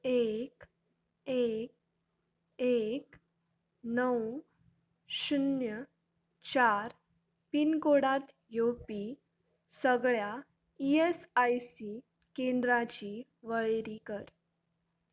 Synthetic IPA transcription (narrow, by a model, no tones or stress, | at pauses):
ek | ek̚ | ek | nəw | ɕunjə | t͡ɕaɾ | pinkoɽat̪ | jopi | səɡɭja | iesajsi | kẽnd̪ɾat͡ɕi | ʋəɭeɾikəɾ